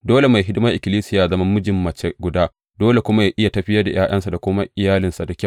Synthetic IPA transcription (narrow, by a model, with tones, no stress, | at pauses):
doː˦le˨ma˨jɦɪ˦dɪ˦mɐ˦ʔɪ˨kʲɪ˨liː˦sɪ˦jaː˨zɐ˦ma˦mːʊ˦d͡ʒɪ˨mːɐ˨t͡ʃe˨ɡʷʊ˨daː˦ | doː˦le˨kʷʊ˦ma˦jaː˦ʔɪ˦ja˨tɐ˦ɸɪ˦jɐ˦rda˨j̰ʔaː˦ʔɐ˦nsa˨da˨kʷʊ˦ma˦ʔɪ˨jaː˦lɪ˨nsa˨da˨kʲɐ˦˨